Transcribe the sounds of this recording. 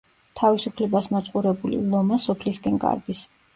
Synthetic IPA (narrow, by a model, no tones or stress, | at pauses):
t̪ʰavisupʰlɛbasmɔt̪sʼqʼuɾɛbulḭlˠɔmasɔpʰliskʼɛnkʼa̰ɾbis